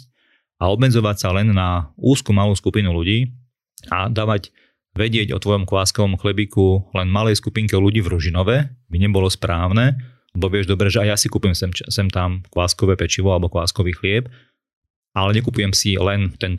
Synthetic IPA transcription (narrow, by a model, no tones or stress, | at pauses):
aɔbmɛd͡zɔʋacsalɛnːauːskumaluːskupinuluɟiː | a̰d̪aːʋaɟ | ʋɛɟɪɛɟɔ̰t̪ʋɔjɔmkʋaːskɔʋɔmxlɛbikulɛnmalɛjskupiŋkɛluɟiːvɾuʒinɔʋɛbiɲɛbɔlɔspɾaːʊnɛː | ɛbɔʋɪɛʒd̪ɔbɾɛʒɛaɪjasikupujɛmɛsɛmt̪amkʋaːskɔʋɛːpɛt͡ʃiʋɔalɛbɔkʋa̰ːskɔʋiːxlɪɛp | ʔalɛɲɛkupujɛmsilɛnt̪ɛnt̪